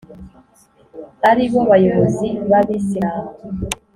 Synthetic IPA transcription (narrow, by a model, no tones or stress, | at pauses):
haɾiβo̞βajoβoziβaβisia